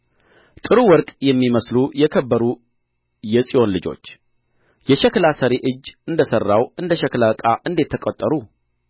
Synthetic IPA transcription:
t̪ʼɨɾuwɔɾkʼjɛmːiməslujɛkʰəbːəɾu | jɛsʼijo̞nlɨd͡ʒo̞̰t͡ʃː | jɛʃɛklasəɾeʔɨd͡ʒːɨnd̪əsərːawɨnd̪əʃɛklakʼaʔɨnd̪e̞t̪ʰːəkʼot̪ʼːəɾu

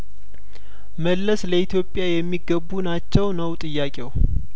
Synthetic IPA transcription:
məlːəsləit̪ʰjo̞pʼːjajɛmːiɡəbunat͡ʃːɛwnəwt̪ʼɨjːakʼew

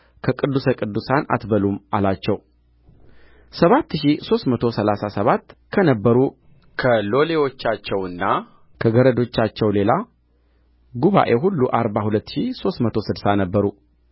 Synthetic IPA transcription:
kʰəkʼɨd̪ːusəkʼɨd̪ːusana̰t̪bəlumʔa̰lat͡ʃːɛw | səβat̪ːɨʃiso̞st̪mət̪ʰosəlasasəβat̪ːkʰənəbːəɾu | kʰəlo̞le̞wo̞t͡ʃːat͡ʃːɛwɨnːa | kʰəɡəɾəd̪o̞t͡ʃːat͡ʃːɛwle̞la | ɡuβa̰ʔe̞ɦulːuʔaɾbahulət̪ːʃiso̞st̪mət̪ʰo̞sɨd̪sanəbːəɾu

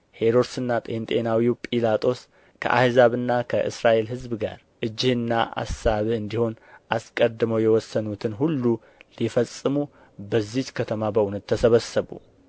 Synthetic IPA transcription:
he̞ɾo̞ɾsɨnːat̪ʼent̪ʼenawiwpʼilat̪ʼo̞s | kʰə̰ʔa̰hzaβɨnːakʰəʔɨ̰sɾaʔe̞lɦɨzbɡa̰ɾ | ʔɨd͡ʒːɪhɨnːaʔa̰saβɨnd̪iho̞nʔaskʼəd̪ːɨməwjɛwɔsːənut̪ʰɨnɦulːu | lifəsʼːɨmu | bəzːit͡ʃkʰət̪ʰəmabəʔunət̪ʰːəsəβəsːəβṵ

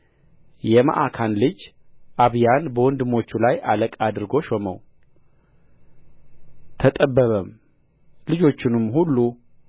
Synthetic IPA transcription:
jɛma̰ʔakʰanlɨd͡ʒ | ʔaβjanbəwɔnd̪ɨmo̞t͡ʃːulajaləkʼad̪ɨɾɡo̞ʃomə̰w | t̪ʰət̪ʼəbːəβəm | lɨd͡ʒo̞t͡ʃːɪnɨmhulːu

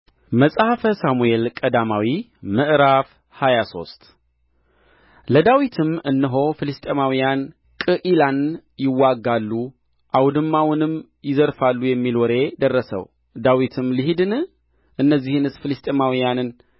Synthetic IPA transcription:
məsʼhfəsamuelkʼəd̪amawi | mɨʔɾaf | hajaso̞̰st̪ʼ | ləd̪awit̪ʰɨmɨnːɨɦo̞fɨlɨst̪ʼemawijan | kʼɨʔilanjɪwaɡːalːu | ʔawd̪ɨmːawʊnɨm | jɪzəɾfalːujɛmːilwɔɾe̞d̪ərːəsə̰w | d̪awit̪ʰɨmliɦid̪ɨnɨ | ʔɨnːəzːihɨnɨsfɨlɨst̪ʼemawijanɨn

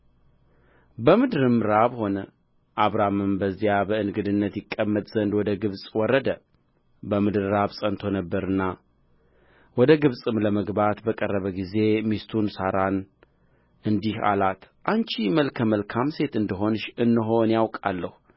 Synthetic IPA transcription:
bəmɨd̪ɾɨmɾaβho̞nə | ʔaβɾamɨmbəzːijabəɨnɡɨd̪ɨnːət̪jɪkʼːəmːət̪ʼz̥ənd̪wɔd̪əɡɨβsʼwɔrːəd̪ə | bəmɨd̪ɨɾɾaβsʼənt̪ʰo̞nəbːəɾɨnːa | wɔd̪əɡɨβsʼɨmləməɡbat̪bəkʼərːəβəɡize̞mist̪ʰunsaɾan | ɨnd̪iha̰lat̪ʔant͡ʃiməlkʰəməlkʰamse̞t̪ɨnd̪ɨɦo̞nʃɨnːɨɦo̞njawkʼa̰lːəhu

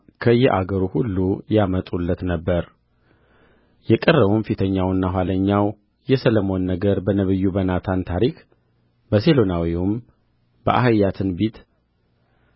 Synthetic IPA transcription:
kʰəjɛʔaɡəɾuhulːujamət̪ʼulːət̪nəbːəɾ | jɛkʼərːəβunfit̪ʰəɲːawɨnːaɦʷwaləɲːaw | jɛsələmo̞nːəɡəɾbənəβɨjːubənat̪ʰant̪ʰaɾikʰ | bəse̞lo̞nawium | bə̰ʔa̰həjat̪ʰɨnbit̪

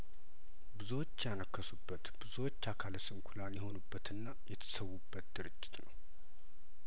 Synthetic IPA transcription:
bɨzwot͡ʃːjanəkːəsubːət̪bɨzuwot͡ʃːakʰalsɨmkʰulanjɛho̞nubːət̪ɨnːajɛt̪ʰə̥səwːubːət̪̚d̪̥ɨɾɨd͡ʒːɪt̪nəw

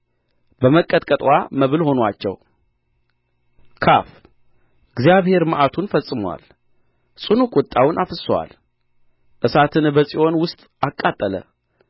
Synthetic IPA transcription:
bəməkʼət̪ʼkʼət̪ʼwaməβɨlho̞nwat͡ʃːɛ̰w | kʰaf | ɡzjaβhe̞ɾməʔat̪ʰunfəsʼɨmwa̰l | sʼɨnukʼʊt̪ʼːawnʔafɨsəwa̰l | ʔɨsat̪ʰɨnbəsʼiʔo̞nwʊst̪ʼakʼːat̪ʼːələ̰

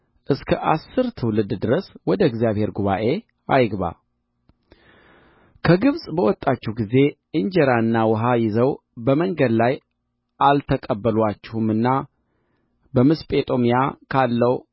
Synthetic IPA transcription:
ʔɨskʰəʔasːɨɾt̪ʰɨwlɨd̪d̪ɨɾəswɔd̪əɛɡzjaβhe̞ɾɡuβaʔe̞ | ʔajɡβa̰ | kʰəɡɨβsʼbəwɔt̪ʼːat͡ʃːɛhɡize̞ʔɨɲd͡ʒɛɾaɨnːawɔɦajɪzəw | bəməŋɡəd̪laj | ʔalt̪ʰəkʼəbːəlwat͡ʃːɛhumɨnːa | bəmɨspʼe̞t̪ʼo̞mijakʰalːəw

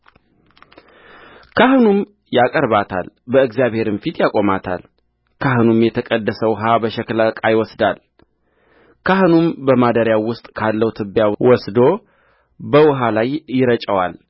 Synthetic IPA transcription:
kʰahɨnum | jakʼəɾβat̪ʰa̰l | bəɨkzjaβhe̞ɾɨnfit̪jakʼo̞mat̪ʰa̰l | kʰaɦɨnumjɛt̪ʰəkʼəd̪ːəsəwʊɦabəʃɛkləkʼajwɔsd̪al | kʰaɦɨnumbəmad̪əɾjawʊst̪ʼkʰalːəwt̪ʰɨbːjawɔsd̪o | bəwʊɦalajːɪɾət͡ʃʼəwal

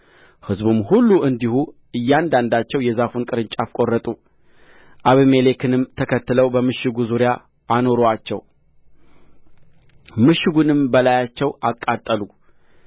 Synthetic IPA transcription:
hɨzbumhulːuʔɨnd̪ihu | ɨjːand̪and̪at͡ʃːɛwjɛzafunkʼɨɾɨnt͡ʃʼafkʼo̞rːət̪ʼu | ʔaβime̞le̞kʰɨnɨmt̪ʰəkʰət̪ːɨləwbəmɨʃɪɡuzuɾjaː | no̞ɾoat͡ʃːɛ̰w | mɨʃːɪɡunɨmbəlajat͡ʃːɛwʔakʼːat̪ʼːəlu

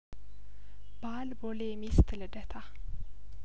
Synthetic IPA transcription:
b̥ɑːlboːlimɪst̪ʰɪləɖɛt̪ʰɑ

